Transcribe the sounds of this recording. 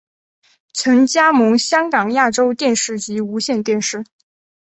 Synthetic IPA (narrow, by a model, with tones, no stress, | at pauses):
t͡sʰɤ˧˥ŋt͡ɕja˥mɤ˧˥ŋɕjɑ˥ŋkɑ˨˩ŋja˥˩ʈ͡ʂo˥ʊt̪jɛ˥˧nʂɻ̩˥˩t͡ɕi˧˥u˧˥ɕjɛ˥˧nt̪jɛ˥˧nʂɻ̩˥˩